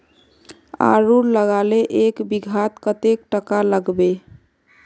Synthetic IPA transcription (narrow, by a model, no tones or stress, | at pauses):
a̰ɾuɾləɡaleʔekbiɡʱat̪kət̪ek̚ʈəkaləɡbe